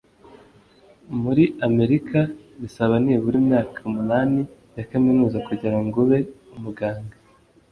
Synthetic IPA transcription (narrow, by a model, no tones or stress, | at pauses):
muɾiame̞ɾikʰa | βisaβaniːβuɾimɲaːkʰaumunaːni | jakaminuːzakuɟiɾaŋɡuβe̞umuɡaːŋɡa